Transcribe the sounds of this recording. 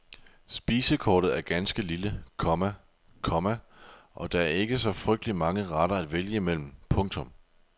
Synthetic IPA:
sb̥iːsəkʰɒ̰ːɾ̥ð̩ˠæɐɡ̥ænsɡ̥əliləkʰɒ̽mæ | kʰɒ̽mæʔɒ̽d̥ɑ̈æɐe̝ɡ̥əsɒ̽fʁœɡ̥̚d̥əlimɑ̈ŋəʁɑɾ̥ɐæd̥ʋeljəimel̰m̩pʰɔ̽ŋt͡sʰɔ̽m

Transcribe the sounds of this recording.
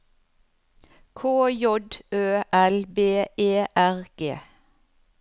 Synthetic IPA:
kʰoːjɔd̪øːʔɛlbeːeːʔæʁɡ̥ḛː

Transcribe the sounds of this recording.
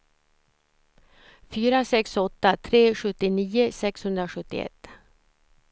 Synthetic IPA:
fyːɾasɛksɔt̪ːat̪ʰɾeːɧɵt̪ːɪniːʊsɛkshɵnd̪ɾaɧɵt̪ːɪ̰ɛ̰t̪ː

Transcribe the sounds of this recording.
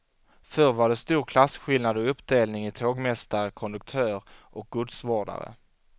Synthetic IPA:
fœɾvaɖɛst̪uːɾkʰlasɧɪlnad̪ɔɵpːd̪eːlnɪŋɪt̪ʰoːɡmɛst̪aɾəkʰɔnd̪ɵk̚t̪ʰœːɾʔɔk̚ɡ̥ɵd̪svoːɖa̰ɾə̰

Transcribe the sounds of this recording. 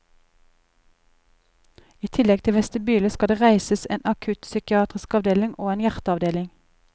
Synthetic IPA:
iːt̪ʰɪlɛɡ̚t̪ʰɪʋɛst̪əbyːləskɑd̪eːʁæɪsəseːnʔɑkʰʉt̪sʏkɪɑːt̪ʁɪskɑʋd̪eːlɪŋʔoːeːnjæʁt̪əɑʋd̪eːlɪŋ

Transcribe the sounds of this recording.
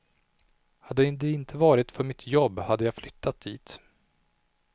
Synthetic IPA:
had̪ːɛd̪əɪnt̪ʰəvɑːɾɪt̪fœɾmɪt̪ʰjɔbːhad̪ːəjɑːflʏt̪ʰːat̪̚d̪ḭːt̪

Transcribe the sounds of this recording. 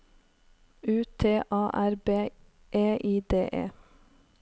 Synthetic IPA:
ʉːt̪ʰeːʔɑːʔæɾbeː | ʔeːʔiːd̪ḛːʔḛː

